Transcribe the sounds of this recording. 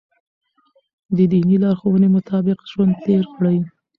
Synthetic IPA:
d̪əd̪inilɑɾxowənemʊt̪ʰɑbɪqʒwand̪̚t̪eɾkɽəj

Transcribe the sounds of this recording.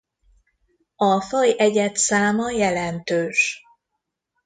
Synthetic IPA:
ɒfɒjɛɟɛt̪saːmɒjɛlɛnt̪øːʃ

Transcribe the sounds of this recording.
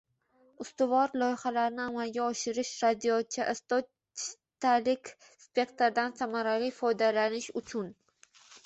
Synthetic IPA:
ʊst̪ʊvɒɾlˠɒjhalaɾnɪamalɡʲaɒʃɪɾɪʃɾad̪ijɒt̪̚t͡ʃʰːaʔst̪ɒ | t͡ʃɪ̥ | t̪alɪkʲ | spʲe̞kt̪ɾd̪ansamaɾalifɒjd̪alanɪʃʊt͡ʃʰʊn

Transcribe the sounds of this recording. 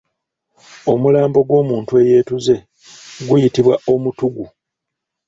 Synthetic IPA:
o̞mulaːmbo̞ɡwo̞ːmuːntue̞je̞ːtuze̞ | ɡujitiβwaʔo̞mutuɡu

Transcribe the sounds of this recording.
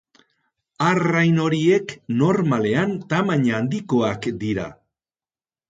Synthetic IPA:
arajno̞ɾie̞kno̞ɾmale̞ant̪amaɲaːnd̪iko̞akd̪iɾa̰

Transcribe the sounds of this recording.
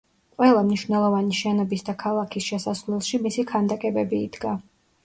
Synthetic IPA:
qʼwɛlˠamniʃwnɛlˠɔvaniʃɛnɔbisd̪akʰalˠakʰisʃɛsasvlɛlˠʃimisikʰand̪akʼɛbɛbiːd̪̥ɡa

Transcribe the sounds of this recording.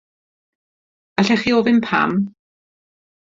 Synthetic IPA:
aɬɛχiːovɪnpʰa̰m

